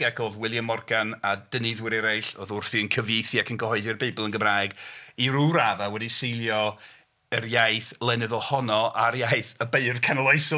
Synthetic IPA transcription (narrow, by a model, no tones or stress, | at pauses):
akʰoːðwɪlˠjamɔrɡanadənɨðwɪɾɛɾajɬoðʊrθiənkʰəvejθiakʰənɡəhɔɨðɪrbeɨbəlˠənɡəmraɨɡiɾuɾaðawɛdisejlˠjɔ | ərjajθlˠɛnɛðɔlˠhɔnɔʔaɾjajθəbeɨrkʰanəlˠɔɨsɔ